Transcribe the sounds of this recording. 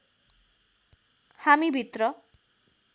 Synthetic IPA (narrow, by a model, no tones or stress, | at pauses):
hamibʱit̪rʌ